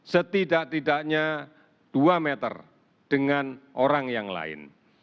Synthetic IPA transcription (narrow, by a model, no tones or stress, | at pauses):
sət̪idaʔt̪idaʔɲa | d̥uamet̪ə̰r | d̥əŋanʔoɾaŋjaŋla̰ɪ̰n